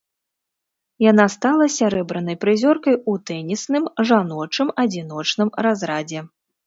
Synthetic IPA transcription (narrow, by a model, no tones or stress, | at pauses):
janast̪alˠɐsʲaɾɛbɾɐn̪ɐjpɾɨzʲɔrkɐjut̪ɛnʲisnɨmʐanɔt͡ʂɨmɐd͡zʲin̪ɔt͡ʂnɨmɾazɾad͡zʲɛ